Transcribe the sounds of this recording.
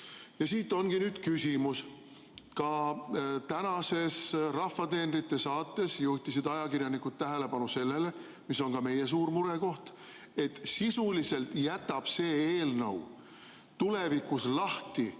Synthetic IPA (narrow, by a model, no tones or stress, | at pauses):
jɑsiːt̪ːˑo̞nɡ̥inyːd̪̥kysʲimus | kɑ | t̪ænɑse̞srɑfːɑt̪e̞ːnɾit̪ːˑesɑːt̪ːe̞sjuht̪isid̪ɑjɑkiɾjɑnikud̪̚t̪æɦe̞le̞pɑnuse̞lːe̞le̞ | mis̬o̞nkɑme̞jes̬uːɾmuɾeko̞ht̪ | e̞t̪ːsisulise̞lt̪jæt̪ːˑɑb̥se̞ːeːlnɤ̰w | t̪ule̞vikːuslɑht̪i